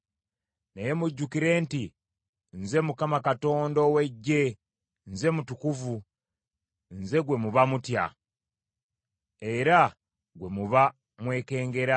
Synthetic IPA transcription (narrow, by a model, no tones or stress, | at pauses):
neje̞muɟːukiɾe̞ːnti | nze̞mukamakato̞ːndowe̞ɟːe̞ | nze̞mutukuvu | nze̞ɡwe̞muβamutja̰ | e̞ɾa | ɡwe̞muβa | mwe̞ːke̞ːŋɡe̞ɾa